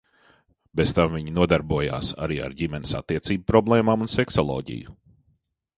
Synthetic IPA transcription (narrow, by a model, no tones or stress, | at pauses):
bezt̪amviɲinuɔd̪aɾbuɔja̰ːsa̰ɾiːa̰ɾɟimɛnɪsa̰t̪ːiɛt̪siːbupɾɔblˠɛːmaːmunsɛksɔlˠɔ̰ːɟḭju